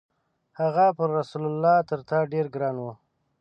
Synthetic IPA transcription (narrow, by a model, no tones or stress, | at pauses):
haɣapəɾːasulʊlːɑt̪əɾt̪aɖeɾɡɾɑnwu